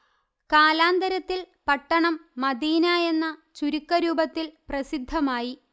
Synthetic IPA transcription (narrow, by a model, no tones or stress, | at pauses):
kaːlaːnd̪ɐɾɐt̪ːil | pɐʈːɐɳɐmːɐd̪iːnaːje̞nːɐt͡ɕuɾikːɐɾuːbɐt̪ːilprɐsid̪ʱːɐmaːji